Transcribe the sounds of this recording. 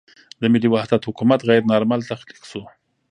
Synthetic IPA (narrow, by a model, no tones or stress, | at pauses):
d̪əmɪliwahd̪at̪hʊkumat̪ɣajɾnɑɾmalt̪axd̪i̥qsu